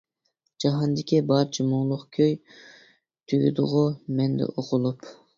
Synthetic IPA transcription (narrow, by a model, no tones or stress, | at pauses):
d͡ʒɑɦɑnd̪ɪkʲʰibɑɾt͡ʃʰimʊŋlˠʊqkʲʰøj | t̪ʰyɡʲy̰d̪ʊ̰ʁʊmɛnd̪ɛ̰ʔoqʰʊlˠup